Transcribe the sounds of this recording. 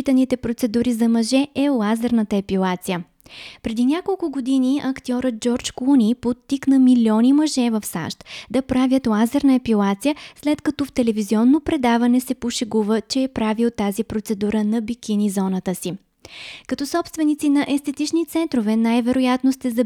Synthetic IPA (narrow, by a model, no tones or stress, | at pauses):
it̪ənit̪ɛpɾot̪sɛd̪uɾizɐmɐʒɛʔɛlˠazɛɾnət̪əɛpilˠat̪sijə | pɾɛd̪inʲakolˠkʊɡod̪iniɐkt̪iɔɾət̪̚d͡ʒɔɾt͡ʃklˠunipot̪ːiknəmilʲɔnimɐʒɛvəfsa̰ʃt̪d̪ɐpɾavʲjət̪lˠazɛɾnəɛpilˠat̪sijəslɛt̪kɐt̪ɔft̪ɛlɛviziɔnːopɾɛd̪avɐnɛsɛpoʃɛɡuvət͡ʃɛːpɾavilˠt̪ːazipɾot̪sɛd̪uɾənɐbikʲinizɔnət̪əsi | kɐt̪ɔsɔpst̪vɛnit̪sinɐʔɛst̪ɛt̪it͡ʃnit̪sɛnt̪ɾovɛnajvɛɾojat̪nost̪ɛzɐ